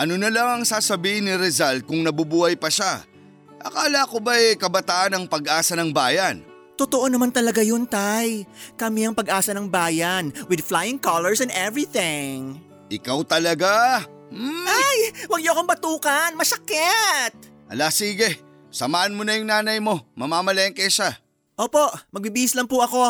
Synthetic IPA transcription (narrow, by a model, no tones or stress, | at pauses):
ʔɐnonɐlaŋɐŋsaːsɐbiːhɪnːɪɾɛzal̚kʊŋnɐbubuːhɐjpɐʃa | a̰kaːlaːkobɐjkɐbɐt̪aːʔɐnɐŋpɐɡʔaːsɐnɐŋbaːjɐn | t̪ot̪oʔo̞nɐmant̪ɐlɐɡajont̪ajkɐmiɐŋpɐɡʔaːsɐnɐŋbaːjɐnwɪd̪flajɪŋkɐlɛɹsɛ̃nd̪ɛvɹiθɪŋ | ʔɪkawt̪ɐlɐɡa | m̩ajwɐɡ̚ɲoʔɐkoŋbɐt̪uːkɐnmɐsɐkɛt̪̚ʔɐ̰lasiːɡɛ | sɐmaːʔɐnmonɐjʊŋnaːnɐjmo̞mɐmaːmɐlɐɪŋkɐjʃa | ʔoːpo̞ʔmɐɡ̚bibiːɪslɐmpʊʔɐko̞